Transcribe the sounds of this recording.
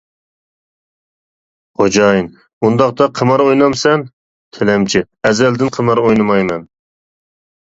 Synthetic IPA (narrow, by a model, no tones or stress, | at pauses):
χod͡ʒɑjn | und̪ɑqt̪ɑqʰəmɑɾojnɑmsɛn | t̪ʰelɛmt͡ʃʰɪ | ɛzɛld̪ɪnqʰəmɑɾojnɨmɑjmɛn